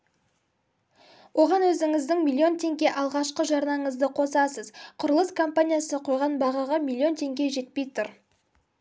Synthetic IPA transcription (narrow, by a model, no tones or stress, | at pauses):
wo̞ʁɑnwɵzɪŋɪzd̪ɪŋmilʲˠːio̞nt̪ʰe̞ŋɡʲe̞ʔɑlˠʁɑʃqəʒɑɾnɑɴəzd̪əqʰo̞sɑsəzqʰʊɾəlˠəskʰo̞mpanʲijasəqʰo̞jʁɑnbɑʁɑʁɑmilʲˠːio̞nt̪ʰe̞ŋɡʲe̞ʒe̞t̪̚pe̞jt̪ʰʊɾ